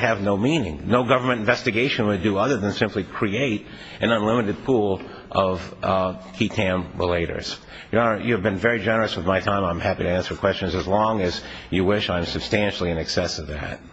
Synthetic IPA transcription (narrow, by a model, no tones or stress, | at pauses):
ɨvnoʊmĩnɪ̰̃ŋnoʊɡʌvə˞mɨ̃ɾ̃tɨ̃nvɛstɨɡeɪʃɨ̃nwɨdɨʌðə˞ðɨ̃nsɪ̃mplikʰɹ̥ieɪɾ | ʔɨ̃nʌ̃nlɪ̃mɨɾɨd̚pʰulˠ | ʔʌv̥kʰikʰæ̃mɹəleɪɾə̰˞z̥ | jɨəjɨɨvbɨ̃nvɛɹid͡ʒɛnə˞ɨswəðmaɪtʰãɪ̃mãɪ̃mhæpiɾɨæ̃nsə˞kʰw̥ɛst͡ʃɨ̃nzɨzlɔ̃ŋɨz̥jɨwɪʃãɪ̃msɨb̥stæ̃nʃl̩ˠiɨ̃nɨksɛsʌvðæ̰t̚